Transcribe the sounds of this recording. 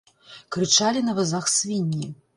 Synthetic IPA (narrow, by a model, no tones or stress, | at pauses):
kɾɨt͡ʂalʲinɐvazaxsʲvʲinʲːi